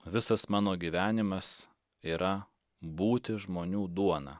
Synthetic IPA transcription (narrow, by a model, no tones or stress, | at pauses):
ʋʲɪsɐsmɑːnoːɡʲiːʋʲæːnʲɪmɐs | iːɾɐ | buːt̪ʲɪʒmoːnʲuːd̪uɔnɑ̰ː